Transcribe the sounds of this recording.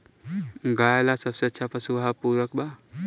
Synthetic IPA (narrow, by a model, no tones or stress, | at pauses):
ɡaːjlasɐbseɐtːʃʰapɐsuɦapuːɾwəkba